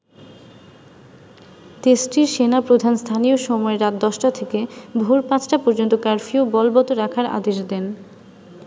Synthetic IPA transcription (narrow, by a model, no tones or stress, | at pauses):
t̪esʈiɾʃenapɾod̪ʱanst̪ʰanijoʃɔmɔeɾat̪̚d̪ɔʃʈat̪ʰekebʱuɾpãt͡ɕʰʈapɔɾd͡ʑont̪okaɾfiobɔlbɔt̪oɾakʰaɾa̰d̪eʃd̪ɛn